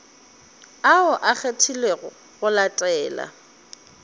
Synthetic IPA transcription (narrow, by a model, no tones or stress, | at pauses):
aʊʔak͡xʰetʰileɣʊ | ɣʊlatʼɛːla̰